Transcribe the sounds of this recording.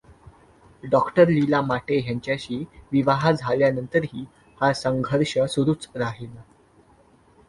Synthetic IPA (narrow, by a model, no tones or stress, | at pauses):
ɖɔkʈəɾlilamaʈeɦjaɲt͡ɕjaɕiːʋiʋaɦad͡zʱaljanənt̪əɾɦiː | hasəŋɡʱəɾʂəsuɾuːt͡sɾaɦela